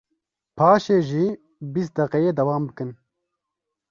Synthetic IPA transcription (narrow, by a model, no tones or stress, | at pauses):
pʰaːʃeːʒiː | bist̪̚d̪ɛqɛjeːd̪ɛwaːmbɨkɨn